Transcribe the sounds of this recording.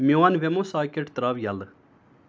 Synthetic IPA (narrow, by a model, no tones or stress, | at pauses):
mjoanʋemõːsaːkeʈt̪ɾaːʋjɐl